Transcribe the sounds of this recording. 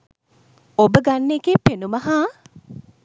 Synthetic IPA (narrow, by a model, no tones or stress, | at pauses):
obəɡanːekepenumɐɦaː